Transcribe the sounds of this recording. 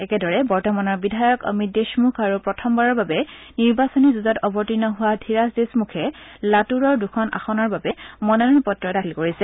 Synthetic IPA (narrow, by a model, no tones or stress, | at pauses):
ɛkɛdɔɹɛbɔɹtɔmanɔɹbidʱajɔkɔ̰mideʃmukʰaɹupɹɔtʰɔmbaɹɔɹbabɛ | niɹbasɔnizuzɔtɔbɔɹtinɔɦʊwadʰʱiɹasdesmukʰɛlatuɹɔɹdukʰɔna̰xɔnɔɹbabɛmɔnɔnɔnpɔtːɹɔtailkoɹisɛ